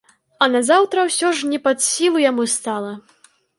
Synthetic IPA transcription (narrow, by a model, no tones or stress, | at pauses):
ɐnɐzawt̪ɾɐwsʲɔʐnʲɛpad̪sʲilˠujamust̪alˠɐ